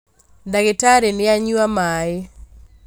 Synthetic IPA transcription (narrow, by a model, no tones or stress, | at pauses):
ndaɡɪtaɾenɪaɲuamaɪ